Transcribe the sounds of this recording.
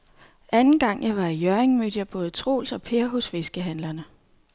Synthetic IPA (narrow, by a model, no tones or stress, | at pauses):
ænn̩ɡ̥ɑ̈ŋ̰jɑ̈ɪʋɑ̈ijœɐeŋmø̰d̥jɑb̥ɔ̽ːð̞̩ˠət͡sʰʁo̝̰ːlsɒ̽pʰe̝ːɐɦɔ̽sfe̝sɡ̥əɦænlɐnə